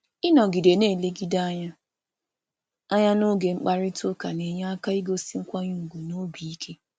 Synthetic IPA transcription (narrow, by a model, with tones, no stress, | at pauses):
ɪ˦nɔ˨ɡi˨de˨neː˦˨le˦ɡi˦da˦a˦ɲa˦ | a˦ɲa˦no˦ɡe˨ŋ͡m̩˦k͡pa˦ɾɪ˦tʊ˦ka˨ne˨ɲe˦a˦ka˦i˦ɡo˦si˦ŋ̩˦kʷa˦ɲu˦u˨ɡu˨no˦bi˨i˦kʰe˦